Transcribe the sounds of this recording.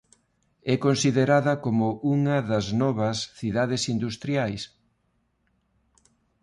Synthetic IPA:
ɛkonsiðeɾaðɐkomʊuŋɐðɐznɔβɐsθiðaðesind̪ust̪ɾjajs

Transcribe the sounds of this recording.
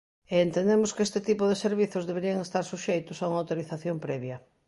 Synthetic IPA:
eːnt̪end̪emʊskest̪ɪt̪ipʊðeseɾβ̞iθʊzðeβeɾiɐŋest̪aɾsuʃejt̪ʊsauŋawt̪oɾiθaθjompɾɛβjɐ

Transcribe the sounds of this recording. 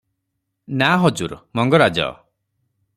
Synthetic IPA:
naɦɔd͡ʒuɾmɔŋɡɔɾad͡ʒɔ̰

